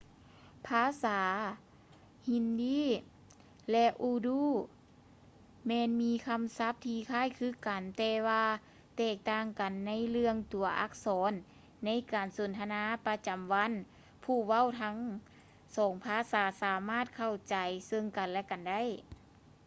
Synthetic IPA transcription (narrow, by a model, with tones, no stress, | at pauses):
pʰaː˧˥˨saː˩˦ | hi˧ndiː˧˥˨ | lɛ˧ʔuː˧duː˧˥˩ | mɛː˧˨nmiː˧˥kʰa˧˥msa˧˥p̚t̪ʰiː˧kʰaː˧˥˩jkʰɯː˧˥˨ka˨nt̪ɛː˧waː˧ | t̪ɛː˧˩k̚t̪aː˧˩ŋka˨˩nːa˧˥jlɯ˧əŋt̪u˨˩ɐʔa̰˧˥k̚sɔː˩˨˦nː | a˧˥jkaː˨˩nso˨˩˦nt̪ʰa˧naː˧˥˨pa˧˥t͡ɕa˨˩mʋa˧˥˨n | pʰuː˧˩wa˧˥˨wt̪ʰa˧˥ŋ | sɔː˨˦ŋpʰaː˧˥˨saː˩˦saː˨˦maː˧˥˩t̪̚kʰa˧˩wt͡ɕa˨˩jsɤ˧ŋka˨nlɛ˧˥ka˨nda˥˨j